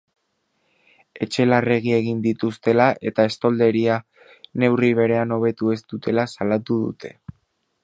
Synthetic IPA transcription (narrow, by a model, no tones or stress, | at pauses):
e̞t͡ʃe̞lare̞ɣ̞ie̞ɣ̞ind̪it̪ust̪e̞laʔe̞t̪ae̞st̪o̞ld̪e̞ɾia | ne̞wriβ̞e̞ɾe̞ano̞β̞e̞t̪ue̞zt̪ut̪ʰe̞lasalat̪uðṵt̪ʰe̞